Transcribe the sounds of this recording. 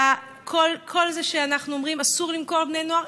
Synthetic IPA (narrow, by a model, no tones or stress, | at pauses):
a | kʰolkʰo̞lzeʃeanaχnuomʁimasuʁlimko̞ʁbne̞jno̞aʁ